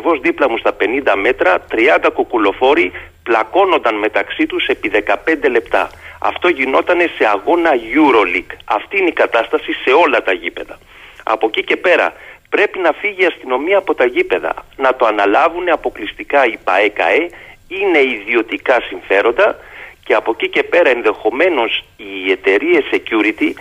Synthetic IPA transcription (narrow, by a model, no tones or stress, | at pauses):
vo̞zðiplɐmust̪ɐpe̞nind̪ɐme̞t̪ɾɐt̪ɾiɐnd̪ɐkokulo̞fo̞ɾiplɐko̞nond̪ɐnme̞t̪ɐksit̪use̞piðe̞kɐpe̞nd̪e̞le̞pt̪ɐ̰ɐ̰ft̪o̞ʝino̞t̪ɐne̞se̞ɐɣo̞nɐʝuɾo̞likɐft̪iine̞ikɐt̪ɐst̪ɐsise̞o̞lɐt̪ɐʝipe̞ðɐ | ɐ̰po̞cice̞pe̞ɾɐ̰pɾe̞pinɐfiʝiɐst̪ino̞miɐːpo̞t̪ɐʝipe̞ðɐ̰nɐt̪o̞ɐnɐlɐvune̞ɐpo̞klist̪ikɐipɐ̰ekɐ̰e̞ine̞iðio̞t̪ikɐsiɱfe̞ɾo̞nd̪ɐce̞ɐpo̞cice̞pe̞ɾɐe̞nðe̞xo̞me̞no̞sie̞t̪e̞ɾie̞sːe̞cuɾit̪i